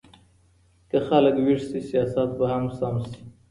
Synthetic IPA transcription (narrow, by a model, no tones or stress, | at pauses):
kaxaləkwiʐsisijɑsat̪bahamsamsi̥